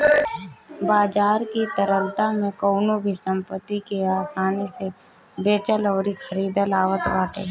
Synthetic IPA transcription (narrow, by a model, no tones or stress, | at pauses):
baːd͡ʒaːɾkit̪əɾəlt̪amẽkɔːnobʱisə̃mpət̪ːikeaːsaːnise | beːt͡ʃəlɔːɾixʰəɾiːd̪əlaːʋət̪ʋaːʈ̪ḛː